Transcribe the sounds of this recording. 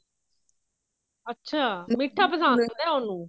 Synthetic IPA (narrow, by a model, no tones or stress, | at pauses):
ətːʃʰaːmɪʈʰːaːpəsãːnd̪ɛːonũː